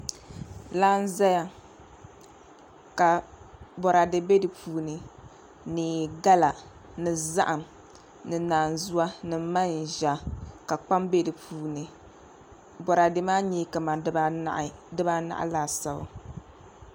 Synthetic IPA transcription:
laː˦n˦za˦ja˨ | ka˨bɔ˨ɾa˨dɨ˨be˦dɨ˨pʰuː˨nɨ˨ | nɨ˨ɡa˦la˨ | nɨ˨za˦ʔa˨m | nɨ˨naː˨n˨zu˦wa˦nɨ˨˦ma˦n˨ʒa˨ka˨k͡pa˦mbe˦dɨ˨pʰuː˨nɨ˨ | bɔ˨ɾa˨dɨ˨maː˦ɲɛ˦ka˨ma̰˨˦ʔdɨ˦ba˦na̰˨ʔa̰˨laː˨sa˨ba̰˨

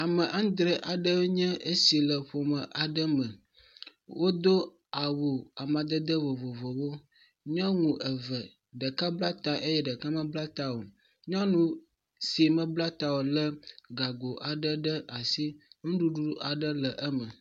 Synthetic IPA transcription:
a˨mə˨ʔa˦ŋ˦d̪ɾə˦ʔa˨ɖə˦ɲɛ̃˦ʔə˦si˨lə˨ɸo˨mə˨ʔa˨ɖə˦mə̃˨ | wo˦d̪o˦ | a˨wo˨a˨mã˨d̪ə˦d̪ə˦vo˨vo˨vo˨wo˦ | ɲã˦ŋũ˨ʔə˨və˨ | ɖə˨ka˦bla˦t̪a˨ʔe˦jɛ˦ɖə˨ka˦mə̃˦bla˦t̪a˦wo˨ | ɲ˦ã˦nũ˦ | si˨mə̃˦bla˦t̪a˨wo˨lə˦ɡa˨ɡo˨ʔa˨ɖə˦ɖə˦ʔa˨si˦ŋũ˦ɖu˦ɖu˦ʔa˨ɖə˦lə˨ʔə˦mə˨

